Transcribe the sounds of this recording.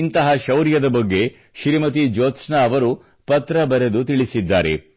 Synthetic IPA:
nt̪ɐɦɐʃɐwɾjɐd̪ɐbɐɡːe | ʃɾimɐt̪̬id͡ʒoːt̪snaːʋɐɾu | pɐt̪ɾɐbɐɾed̪ut̪iɭisid̪ːaːɾe̞̰

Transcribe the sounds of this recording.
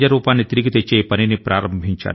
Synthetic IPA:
d͡ʒɐɾuːpaːnet̪ɾɪkt̪et͡ʃeːpɐnenepɾaːɾəmbʱĩnt͡ʃa̰ː

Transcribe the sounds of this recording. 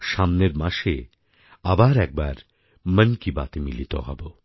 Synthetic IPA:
ʃamneɾmaʃe | abaɾɛk̚baɾ | mənkiba̰t̪emilit̪o̰ɦɔ̰bo

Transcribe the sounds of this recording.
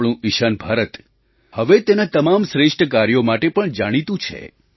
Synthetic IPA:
ɽ̃ũʔiʃanbʱaɾət̪ | həʋet̪enat̪əmamʃɾeʂʈʰəkaɾjomaʈepəɳd͡ʒaɽ̃it̪ũt͡ʃʰḛ

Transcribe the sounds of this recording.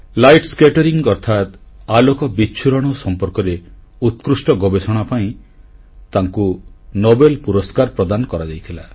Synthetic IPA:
lajʈskeʈɔɾiŋɡɔɾt̪ʰat̪alokɔbiːt͡ʃʰuɾɔɽ̃ɔsɔmpɔɾkɔɾe | ut̪kɾusʈɔɡɔbesɔɽ̃apaĩ | t̪aŋkunobelpuɾɔskaɾpɾɔd̪anɔkɔɾad͡ʒajt̪ʰila

